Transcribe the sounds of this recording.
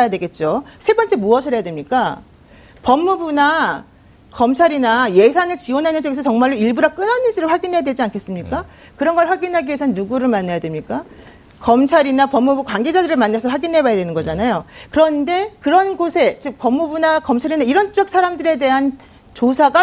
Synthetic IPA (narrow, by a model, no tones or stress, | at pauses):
jadwe̞ɡe̞t̚t͡ɕ͈osʰe̞bʌnt͡ɕ͈e̞muʌɕʰʌjadwe̞mɲik͈a | pʌmːubuna | kʌmt͡ɕʰaɾinaje̞sʰanɯɭt͡ɕiwʌnɦanɯnt͡ɕʌɡesʰʌt͡ɕʌŋmaɭːoiɭbuɾak͈ɯnɦanɯnɕ͈ʰiɾɯɭɸwaɡinɦejadwe̞d͡ʑiankʰe̞s͈ɯmɲik͈a | kɯɾʌnɡʌɭɸwaɡinɦaɭɡiesʰʌnnːuɡuɾɯɭmanːajadwe̞mɲik͈a | kʌmt͡ɕʰaɾinapʌmːubukwaŋɡe̞d͡ʑadɯɾɯɭmanːasʰʌɸwaɡinɦe̞bajadwe̞nɯnɡʌd͡ʑanajokɯɾʌnde̞kɯɾʌnɡosʰe̞t͡ɕɯk̚pʌmːubunakʌmt͡ɕʰaɾinaiɾʌnt͡ɕ͈ʌk̚s͈ʰaɾamdɯɾe̞de̞ɦan | t͡ɕosʰaɡa